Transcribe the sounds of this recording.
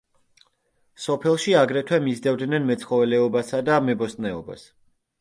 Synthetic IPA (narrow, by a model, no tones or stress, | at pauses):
sɔpʰɛlˠʃiaɡɾɛt̪ʰwɛmizd̪ɛvd̪nɛnmɛt̪sʰχɔvɛlɛɔbasad̪amɛbɔst̪nɛɔba̰s